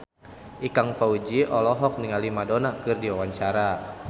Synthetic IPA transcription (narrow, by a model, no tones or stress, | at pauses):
ʔikaŋfaud͡ʒiʔɔlɔɦɔk̚niŋalimadonakɨrdiwawaɲt͡ʃaɾa